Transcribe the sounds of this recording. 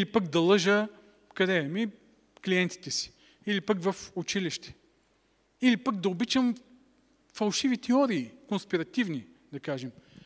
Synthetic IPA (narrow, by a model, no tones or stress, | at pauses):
ilipəkd̪ɐlˠɤʒə | kɐd̪ɛmi | kliɛnt̪i̥t̪ɛsi̥ | ilipəkvɐfʊt͡ʃiliʃt̪ɛ̥ | ilipək̚d̪ɐobit͡ʃəm | fɐlˠʃivit̪ɛɔɾiːkonspiɾɐt̪ivni | d̪ɐkaʒɛm